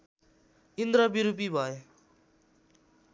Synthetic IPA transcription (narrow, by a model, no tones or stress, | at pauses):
ind̪ɾʌbiɾupibʱʌje